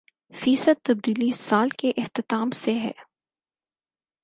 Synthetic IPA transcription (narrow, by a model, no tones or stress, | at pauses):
fiːsəd̪̚t̪ːɐb̚d̪iːlisaːlkeʔɪht̪ɪt̪aːmseɦɛ̰ː